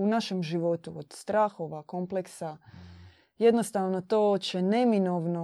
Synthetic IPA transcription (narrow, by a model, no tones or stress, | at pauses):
unaʃe̞mʒiʋo̞t̪uod̪̥st̪ɾaːxo̞ʋako̞mpleksa | je̞d̪nost̪aːʋnot̪oːt͡ɕene̞minoʋno